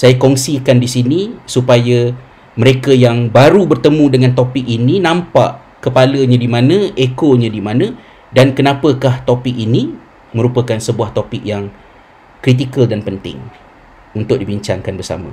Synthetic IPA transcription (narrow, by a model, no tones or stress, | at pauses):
sajakɔŋsikandisinisupaja | mə̃ɾekajaŋbaɾubərt̪əmũdəŋant̪opɪk̚ininãmpa̰ʔ | kəpaləɲãdimãnə̃ʔekoɲãdimãnə̃ | dankənãpəkaht̪opɪk̚ini | mə̃ɾupəkansəbuaht̪opɪk̚jaŋ | kɾit̪̬ikəldanpənt̪ɪ̰ŋ | unt̪ʊk̚dibiɲt͡ʃaŋkanbərsa̰mə̰̃